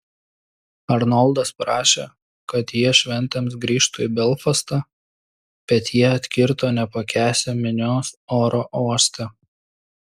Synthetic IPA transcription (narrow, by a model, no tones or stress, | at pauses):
ɐɾnɔlˠd̪ɐspɾɑːʃʲḛː | kɐt̪jiɛʃʲʋʲɛnʲt̪ʲɛms̬ɡɾʲiːʃt̪ʊibʲɛlˠfɐst̪ɑ | b̥ʲɛt̪jiɛɐt̪ʲkʲɪɾt̪oːnʲɛpɐkʲæːsʲɛmʲɪnʲoːsoːɾoːʔoːsʲt̪ʲɛ